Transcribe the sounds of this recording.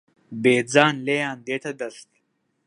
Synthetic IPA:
beːd͡zaːnlejaːnd̪eːʈ̪ʰɐd̪ɐɾst̪

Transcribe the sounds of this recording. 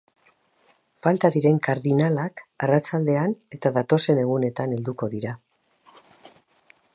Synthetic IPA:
falt̪aðiɾe̞ŋkaɾðinalakarat͡ʃald̪e̞ane̞t̪aðat̪o̞se̞ne̞ɣ̞une̞t̪ane̞ld̪uko̞ðiɾa

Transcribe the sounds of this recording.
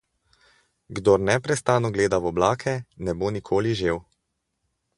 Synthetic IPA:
ɡd̪oɾnɛpɾɛst̪aːnɔɡleːd̪awɔblaːkʰɛnɛbonikʰoːliʒeːw

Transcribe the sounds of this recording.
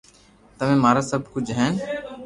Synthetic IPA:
t̪əmẽːmaːɾaːsəbʱkʊd͡ʒʱɦɛːn

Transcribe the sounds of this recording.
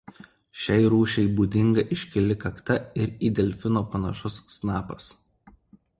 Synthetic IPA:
ʃʲɛɪɾuːʃʲɛɪbuːd̪ʲɪŋɡɐʔɪʃʲkʲɪlʲɪkɐkt̪ɐɪɾiːd̪ʲɛlʲfʲɪnoːpɐnɐʃʊsːnɑːpɐs

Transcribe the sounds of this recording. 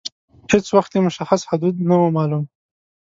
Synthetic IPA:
hɪt͡swaxt̪jemʊʃaxashʊd̪ud̪̚nawomɑlum

